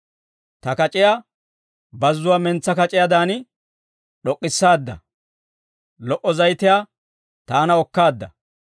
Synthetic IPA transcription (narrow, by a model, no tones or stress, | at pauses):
t̪ɐkɐt͡ʃʼɪjaː | bɐzːʊwaːmɛnt͡sːɐkɐt͡ʃʼɪjɐd̪aːnɪ | ɗɔkʼːɪsːaːd̪ːɐ̰ | lɔʔɔzɐjt̪ɪjaː | t̪aːnɐɔkːaːd̪ːɐ̰